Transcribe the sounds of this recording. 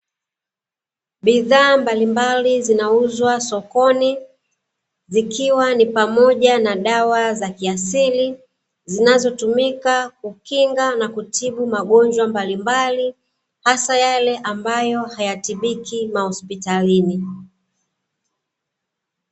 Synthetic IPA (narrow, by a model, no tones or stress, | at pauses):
ɓiðaːmbalimbalizinauzwasɔkɔni | zikiwanipamɔʄanaɗawazakiasili | zinazɔtumikakukiŋɡanakutʰiɓumaɠɔɲd͡ʒwambalimbali | hasajalɛʔambajɔhajatiɓikimahɔspitalini